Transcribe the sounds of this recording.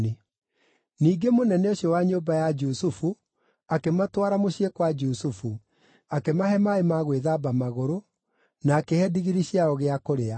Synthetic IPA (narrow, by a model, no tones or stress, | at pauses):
e | niːɡemonɛnɛoɕjɔwaɲoːbajad͡ʒusufu | akematwaɾamoɕiekwad͡ʒusufu | akemahɛmaemaɣweðabamaɣoɾo | naːkehɛdiɣiɾiɕiaɔɣeakoɾea